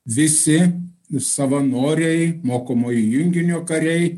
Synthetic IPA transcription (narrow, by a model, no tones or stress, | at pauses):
ʋʲɪsʲɪ | sɐʋɐnoːɾʲɛɪmoːkomoːjɪjʊŋʲɡʲɪnʲoːkɐɾʲɛɪ